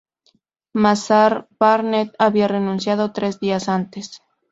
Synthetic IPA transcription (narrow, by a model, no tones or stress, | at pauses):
masaɾbaɾnet̪̚aβiare̞nũnsjað̞o̞t̪ɾe̞zdiasant̪es